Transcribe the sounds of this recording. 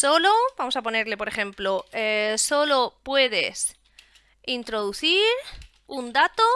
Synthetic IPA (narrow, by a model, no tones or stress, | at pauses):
so̞lobamo̞sapo̞ne̞ɾle̞po̞ɾe̞xẽ̞mploeso̞lo̞pwe̞ð̞e̞s | int̪ɾo̞ðuθiɾ | und̪at̪o